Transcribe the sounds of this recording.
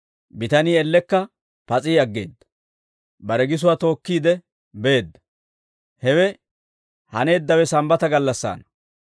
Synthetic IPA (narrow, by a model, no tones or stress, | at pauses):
bɪt̪ɐniːɛlːɛkːɐ | pɐt͡sʼiːɐɡːe̞̰ːd̪ːɐ̥ | bɐɾɛɡɪs̬ʊwat̪o̞ːkːiːd̪ɛ | be̞ːd̪ːɐ̥ | hɛwɛ | hɐne̞ːd̪ːɐwɛsɐmbɐt̪ɐɡɐlːɐsːa̰ːnɐ